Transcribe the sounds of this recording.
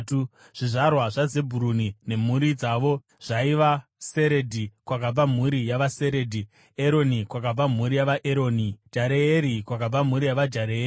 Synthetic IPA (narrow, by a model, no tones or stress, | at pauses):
tu | ʐ̥iʐarwaʐaze̞bʱuɾunine̞m̤uɾid͡zaːʋo̞ | ʐ̥aiʋase̞ɾe̞dʱikwakab͡vam̤uɾijaʋaseɾe̞ːdʱi | eɾonikwakab͡vam̤uɾijaʋaʔeɾo̞ːnid͡ʒaɾeeɾikwakab͡vam̤uɾijaʋad͡ʒaɾei